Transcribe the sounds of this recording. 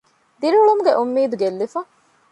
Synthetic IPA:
d̪iɾuuɭumuɡeʔumːiːd̪uɡelːifɐ

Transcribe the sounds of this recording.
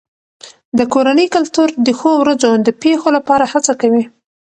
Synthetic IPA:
d̪əkoɾanəjkalt̪uɾd̪əxowɾazod̪əpexolapɑɾahat͡sakawi

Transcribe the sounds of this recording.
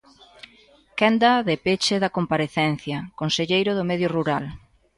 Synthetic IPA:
kɛnd̪ɐðepet͡ʃɪðɐkompaɾeθɛn̟θjɐkonseʎejɾʊðʊmɛðjoruɾal

